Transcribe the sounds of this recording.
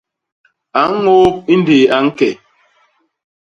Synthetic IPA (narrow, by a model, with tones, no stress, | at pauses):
a˨˦ŋ˦ŋo˦p̚i˦ndeː˨a˨ŋ̩˦kɛ˨